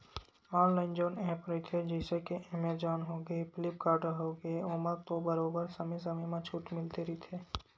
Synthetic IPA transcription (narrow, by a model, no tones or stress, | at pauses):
ɔːnlaːɪnd͡ʒoːnɛɦpɾit̪ʰed͡ʒɛɪsekeʔɪmed͡ʒɔːnɦoːɡəipɪlɪpkaːɾʈəɾɦoːɡeoːməɾt̪obɐɾoːbəɾsɐməjs̬ɐməjmãt͡ʃʰuːʈmɪlt̪eɾit̪ʰeː